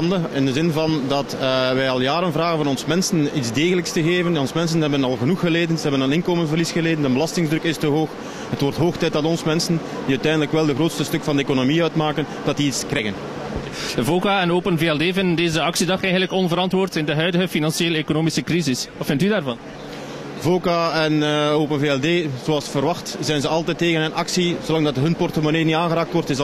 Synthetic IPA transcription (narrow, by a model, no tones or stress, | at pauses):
ndəɪndəzɪnvɑndɑtʋɛjɑlˠjaːɾənvraːɣənvɑnɔnsmɛnsənitzdeːɣələkstəɣeːvənɔnsmɛns̬ənɦɛbənɑlˠɣənuxəleːdənzəɦɛbənənɪnkoːmənvərlisxəleːdəndəbəlɑstɪŋzdɾɵkɪstəɦoːx | ɦətwɔrtɦoːxtɛjt̚dɑtɔnsmɛnsən | diœɥtɛjndələkʋɛlˠdəɣroːtstəstɵkfɑndəeːkonomiœɥtmaːkənd̥ɑt̚diitskrɛjɣən | əvoːkaːɛnoːpənveːɛlˠdeːvɪnndeːzəɑksidɑxɛjɣənləkɔnvəɾɑntʋoːrtɪndəɦœɥdəɣəfinɑnsieːleːkonoːmisəkrizɪsʋɑtfɪntydaːrvɑn | voːkaɛnoːpənveːɛlˠdeːz̥oɑlˠsfərʋɑxtzɛjnzəɑlˠtɛtːeːɣənənʔɑksizolɑŋdɑtɦɵnpɔrtəmoniːnitaːnɣəɾaːk̚tʋɔrtɪs